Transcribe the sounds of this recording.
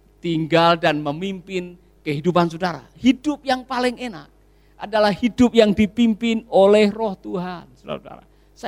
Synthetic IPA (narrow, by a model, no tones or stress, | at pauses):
t̪iŋɡaldanməmimpɪn | kəɦidupans̬udaɾa̰hidʊp̚jaŋpalɪŋenak̚ | ʔa̰dalahhidʊp̚jaŋdipimpɪnolɛhrɔht̪uɦansuda̰suda̰ɾa̰ | s